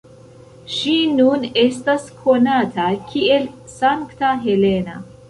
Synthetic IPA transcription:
ʃinune̞staskʰo̞natakʰielsaŋktaɦele̞na̰

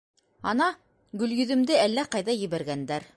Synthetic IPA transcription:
ɑnɑ | ɡɵ̆ljɵ̆ðɵ̆md̪ɘælːæqɑjðɑjɘ̆βæɾɡænd̪æɾ

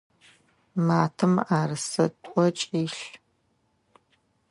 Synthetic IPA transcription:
maːtʰɨmaːrɨsɐtʷʼɔt͡ʃʼiːɬ

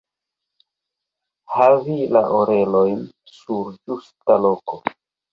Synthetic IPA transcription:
havilaʔoɾe̞lo̞jn | suɾd͡ʒustaloko

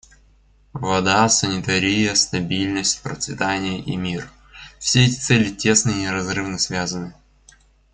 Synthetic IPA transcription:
vɐd̪asənʲɪt̪ɐɾʲijəst̪ɐbʲilʲnəsʲt̚ʲpɾə̰t̪svʲɪt̪anʲɪjəʔḭmʲir | fsʲeɛtʲɪ̥t̪sɛlʲɪtʲe̞snənʲɪɾɐzrɨvnəsvʲazənɨ

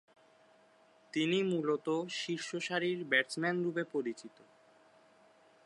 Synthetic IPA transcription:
t̪inimulot̪oʃiɾʃoʃaɾiɾbɛɾt͡ɕmɛnɾubepoɾit͡ɕit̪o

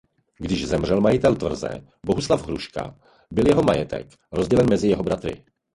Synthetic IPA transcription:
ɡdɪʒzɛmrɛlmajɪt̪ɛlt̪vr̩zɛ̰ | bo̞ɦuslavɦɾuʃka̰ | bɪljɛɦo̞majɛt̪ɛ̰k | ɾo̞zɟɛlɛnmɛzɪjɛɦo̞bɾat̪ɾɪ̰

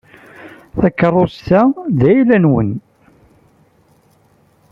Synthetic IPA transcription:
θækːərˤːosθæðæjlænwən

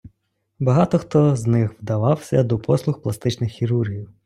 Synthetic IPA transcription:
bɐɦɑt̪ɔxt̪ɔznɪxʋd̪ɐʋɑwsʲɐd̪ɔpʰɔslˠʊxplˠɐst̪ɪt͡ʃnɪxːʲiɾurɦʲiw

